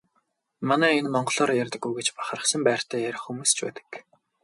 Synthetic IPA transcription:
manæːenmɔɴɢɞ̆ɮɔːɾjærʲt̪ə̆ɡːujɡet͡ɕpaχaɾə̆sə̆mpæːr̥t̪æːjæɾʲɪ̆χxumuːst͡ɕʰpæ̰ːt̪ə̥̆k

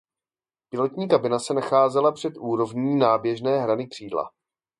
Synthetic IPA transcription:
pɪlɛt̪ɲiːkabɪnasɛnaxaːzɛlapr̝̥ɛt̪ʔuːɾo̞vɲiːnaːbjɛʒnɛːɦɾanɪkr̝̥iːdla̰

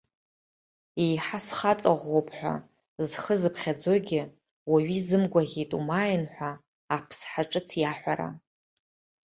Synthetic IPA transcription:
ejħasχat͡sʼaʁʷopʰʼħʷᶣa̰ | zχəzɨpʰχʲad͡zoɡʲɪ | waɥizɨmɡʷaʁʲijtʼumajanħʷaː | pʰsħaʈ͡ʂʼɨt͡sʰjaħʷaɾa̰

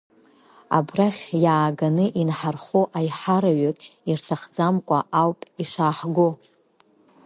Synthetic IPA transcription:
a̰braχʲjaːɡanɨʔinħarχoʔajħaɾaɥakʼirtʰaχd͡zamkʷʼaʔawpʼiʂʷaːħɡo

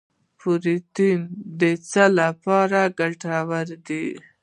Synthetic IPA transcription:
puɾit̪ind̪ət͡səlapɑɾaɡaʈawaɾd̪i

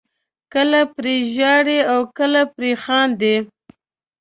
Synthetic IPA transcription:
kəlapɾeʒɑɽeawkəlapɾexɑnd̪e

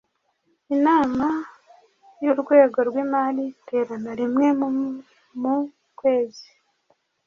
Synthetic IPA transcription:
inaːma | juɾɡwe̞ːɡo̞ɾɡwiːmalite̞ːɾanaɾimŋe̞mu | mu | kwe̞ːzi

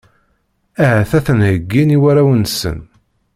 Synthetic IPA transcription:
æɦæθæθənhəɡːiniwæɾæwənsə̰n

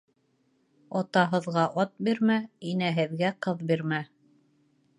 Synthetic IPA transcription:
ɒt̪ɑɦɤ̆ðʁɑʔɒt̪̚biɾmæinæɦɘ̆ðɡæqɤðbiɾmæ

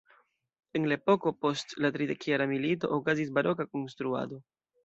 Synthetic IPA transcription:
e̞nlaepo̞ko̞po̞stlatɾide̞kjaɾamilito̞̰ʔokazis̬baɾʔo̞kako̞nstɾua̰do̞

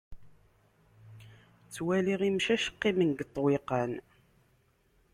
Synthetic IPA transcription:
t͡sːwæliʁimʃæʃə̥qːimənɡət̪ˤːweqən

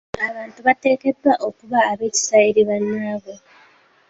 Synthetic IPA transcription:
aβaːntuβate̞ːke̞dwaʔo̞kuβaːβe̞ːci̥saiɾiβanːaβo̞

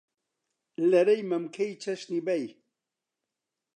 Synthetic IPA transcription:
lɐɾejmɐmkʰejt͡ʃʰɐʃnibɐj

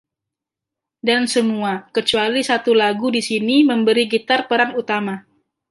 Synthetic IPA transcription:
dansəmuakət͡ʃualisat̪ulaɡudisiniməmbəɾiɡit̪arpəɾaŋut̪ama

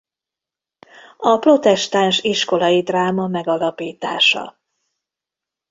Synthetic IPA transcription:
ɒpro̞t̪ɛʃt̪aːnʃiʃko̞lɒjid̪raːmɒmɛɡɒlɒpiːt̪a̰ːʃɒ̰

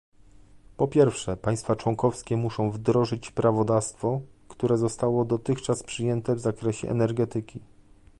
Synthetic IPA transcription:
pɔpʲjɛɾfʂɛpaj̃st̪fat͡ʂwɔŋkɔfskʲɛmuʂɔ̃w̃vd̪ɾɔʐɘt͡ɕpɾavɔd̪ast̪fɔkt̪uɾɛzɔst̪awɔd̪ɔt̪ɘxt͡ʂaspʂɘjɛnt̪ɛvzakɾɛɕɛ̰ʔɛ̰nɛɾɡɛt̪ɘkʲi

